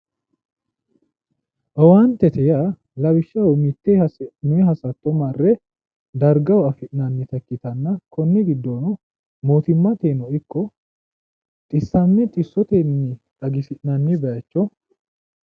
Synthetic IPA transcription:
ʔɔwant̪ːɛt̪ɛja | lɐbɪʃːɐwɔmɪt̪ːesnʊɛɦɐsɐt̪ːɔmɐrːɛ | d̪ɐɾɡɐwɔɐfɪʔnɐnːɪt̪ɐkːɪt̪ɐnːɐkɔnːɛɡɪd̪ːɔnɔ | moːt̪ɪmːɐt̪eːnɔɪkːɔ | t̪ʼɪsːɐnːɛt̪ʼɪsːɔt̪enːɪt̪ɐɡɪsɪʔnɐnːɪbɛjɐt͡ʃːɔ

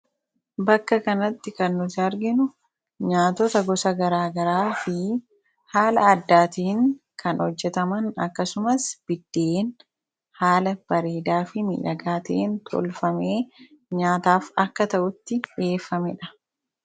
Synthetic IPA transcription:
bɐkːɐkɐnɐt̪ːɪkɐnːʊt̪ɪɐɾɡɪnʊ | ɲaːt̪ɔt̪ɐɡɔsɐɡɐɾaːɡɐɾaːfɪ | haːlɐːd̪ːaːt̪iːŋkɐnhɔd͡ʒːɛt̪ɐmɐnɐ̰kːɐsʊmɐsb̥ɪd̪ːeːn | haːlɐb̥ɐɾeːd̪aːfɪmḭːᶑɐɡaːt̪ɐʔent̪ʰɔ̰lfɐmeːɲaːt̪aːfɐkːɐt̪ɐʔʊt̪ːɪᶑe̞ːfːɐmɛᶑɐ̥

